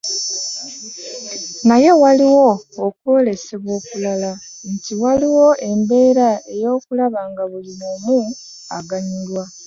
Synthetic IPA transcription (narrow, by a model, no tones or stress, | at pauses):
naje̞waliwo̞ːkwo̞ːle̞se̞βwo̞ːkulala | ntiwaliwo̞ʔe̞mbe̞ːɾae̞jo̞ːkulaβaːŋɡaβulinoːmu | a̰ɡaɲilwa